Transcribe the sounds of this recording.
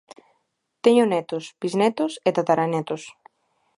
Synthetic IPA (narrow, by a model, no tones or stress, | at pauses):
t̪ɛɲonɛt̪ʊspiznɛt̪ʊset̪at̪aɾanɛt̪ʊs